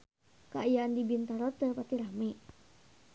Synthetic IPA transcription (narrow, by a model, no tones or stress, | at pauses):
kaajaʔːndibint̪aɾɔt̪əpat̪iɾameʔ